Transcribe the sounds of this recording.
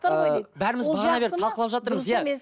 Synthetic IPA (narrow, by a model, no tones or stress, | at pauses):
bæɾɪmɪzʰɑɑbe̞ɾɪpt̪ʰɑlˠqəlˠɑpʒɑt̪əɾməzzjæ